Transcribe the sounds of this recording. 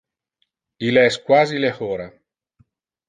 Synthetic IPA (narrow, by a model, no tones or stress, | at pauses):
ileɛskwaːzilehoːɾa